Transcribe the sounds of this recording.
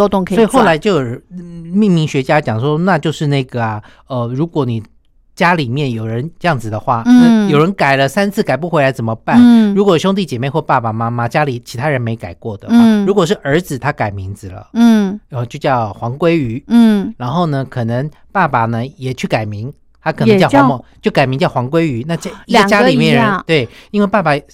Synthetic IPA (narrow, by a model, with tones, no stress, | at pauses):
ɔ˥t̪ʊ˥˧ŋkʰɔ˧˥˨i˨xo˥˩la˧˥ɪt͡ɕjo˥˧ʊjo˨˩mi˥˩ŋmi˧˥ŋɕɥɛ˧˥t͡ɕja˥t͡ɕjɑ˨˩ŋʂwɔ˥na˥˧t͡ɕjo˥˧ʊʂɻ̩˥˧na˥˩ɡə˩a˩ | ə˧ɻu˧˥kwɔ˧˥˦ni˨˩ | t͡ɕja˥li˨˩mjɛ˥˩njo˨˩ʊɻə˧˦nʈ͡ʂjɑ˥˩ŋd͡zɹ̩˨˩d̪ə˨xwa˥˩na˥˧jo˨˩ʊɻə˧˦˥nka˨˩ɪlə˦sa˥nt͡sʰɹ̩˥˩ka˨˩ɪp̬u˥˩xwe˧˥ɪla˧˥ɪt͡sə˨˩nmə˦pa˥˩nɻu˧˥kwɔ˨˩ɕʊ˥ŋt̪̬i˥˩t͡ɕjɛ˨˩me˥˧ɪxwɔ˥˧pa˥˩pa˨˩ma˥ma˧t͡ɕja˥li˨˩t͡ɕʰi˧˥t̪ʰa˥ɻə˧˦nme˧˥ɪka˨˩ɪkwɔ˥˩d̪ə˨˩˥ɻu˧˥kwɔ˨˩ʂ̬ɻ̩˥˩ʔə˞˧˥d͡zɹ̩˨˩t̪ʰa˥ka˨˩ɪmi˧˦˥ŋd͡zɹ̩˨lə̰˩˥ə˧˩t͡ɕjo˥˧ʊt͡ɕjɑ˥˩ʊxwɑ˧˥ŋkwe˥ɪy˧˥˩ɻa˧˥nxo˥˩ʊnə˩kʰɤ˨˩nə˧˦ŋ | pa˥˩pa˨˩nə˦jɛ˨˩t͡ɕʰy˥˩ka˨˩ɪmi˧˥ŋ | t̪ʰa˥k̪ʰə˧˦ŋt͡ɕɑ˥˧a˧˦mɔ˥˨˩t͡ɕjo˥˩ʊka˨˩ɪmi˧ŋt͡ɕjɑ˥˩ʊxwɑ˧˥ŋk̬we˥ɪy˧˥na˥˧t͡ɕi˧ə˧˨ŋ˧t͡ɕja˥li˨mjɛ˧˥˨nɻə˧˦t̪we˥˩ɪi˥nwe˥˧ɪpa˥˩pa˨˩